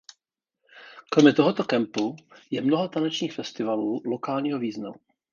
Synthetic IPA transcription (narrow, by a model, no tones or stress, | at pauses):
kɾomɲɛt̪oɦo̞t̪o̞kɛmpujɛmnoɦot̪anɛt͡ʃɲiːxfɛst̪ɪvaluːlo̞kaːlɲiːɦoviːzna̰mu